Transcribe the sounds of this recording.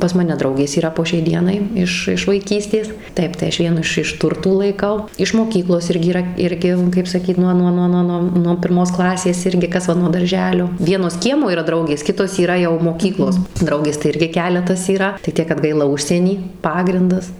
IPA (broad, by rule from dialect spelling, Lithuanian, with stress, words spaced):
pɐs ˈmɑːnʲɛ ˈdrɐʊɡʲeːs iːˈrɐ poː ʃʲɛɪ ˈdʲiɛnɐɪ ˈɪʃ ɪʃ ʋɐɪˈkʲiːsʲtʲeːs ˈtɐɪp tɐɪ ˈɐʃ ˈʋʲiɛnʊ ɪʃ ɪʃ ˈtʊrtuː lˠɐɪˈkɐʊ ɪʃ moːˈkʲiːklˠoːs ˈɪrʲɡʲɪ iːˈrɐ ˈɪrʲɡʲɪ kɐɪp sɐˈkʲiːt ˈnuɔ ˈnuɔ ˈnuɔ ˈnuɔ nuɔ pʲɪrˈmoːs ˈklˠɑːsʲeːs ˈɪrʲɡʲɪ ˈkɐs ʋɐ nuɔ dɐr ʒʲɛlʲoː ˈʋʲiɛnoːs ˈkʲiɛmoː iːˈrɐ ˈdrɐʊɡʲeːs ˈkʲɪtoːs iːˈrɐ jɛʊ moːˈkʲiːklˠoːs ˈdrɐʊɡʲeːs tɐɪ ˈɪrʲɡʲɪ ˈkʲæːlʲɛtɐs iːˈrɐ tɐɪ ˈtʲiɛk kɐt ˈɡɐɪlˠɐ ˈʊʃʲsʲiɛnʲiː ˈpɑːɡrʲɪndɐs